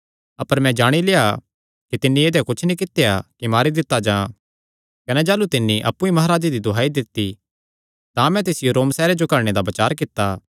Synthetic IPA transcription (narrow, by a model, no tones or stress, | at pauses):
ɐpəɾmɛ̃d͡ʒaːɽ̃ileːa | kit̪ɪnːieːd̪jakʊt͡ʃʰnĩkɪt̪ːejakimaːɾid̪ɪt̪ːad͡ʒãː | kɐnɛd͡ʒaːlut̪ɪnːiʔɐ̰pːũimɐɦaːɾaːd͡ʒed̪id̪ʱʊɦaːid̪ɪt̪ːi | t̪ãmɛ̃t̪̬esɪjoɾoːmsɛːɾed͡ʒokɐɽɽ̃ed̪abɐt͡ʃaːɾk̬ɪt̪ːa